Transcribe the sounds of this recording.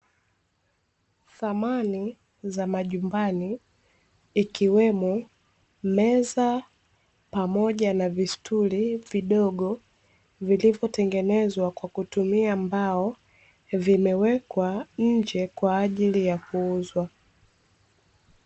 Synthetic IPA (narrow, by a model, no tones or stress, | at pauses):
θamani | zamaʄumbaniː | kiwɛmɔ | mɛza | pamɔʄanavistʰuɾiviɗɔɠɔ | vilivjɔtɛŋɡɛnɛzwakwakutumiambaɔ | vimɛwɛkwaɲ̩d͡ʒɛkwaːʄilijakuuzwa